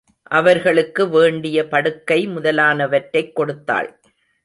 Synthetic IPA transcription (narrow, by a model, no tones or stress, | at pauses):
ʔɐʋɐɾɣɐɭɯkːɯʋeːɳɖɪjɐpɐɽɯkːɐɪmʊðɐlaːnɐʋɐʈːɐɪkːɔɽɯt̪ːa̰ːɭ